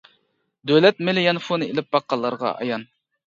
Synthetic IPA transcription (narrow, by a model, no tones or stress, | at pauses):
d̪ølɛt̪̚mɪlɪjɑnfonɨelɪp̚bɑqːɑlˠːɑɾʁɑ̰ʔɑ̰jɑn